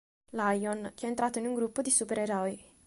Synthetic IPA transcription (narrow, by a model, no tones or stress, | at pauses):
lajonk̟eɛːnt̪ɾaːt̪oinuŋɡɾupːod̪isupeɾeɾɔj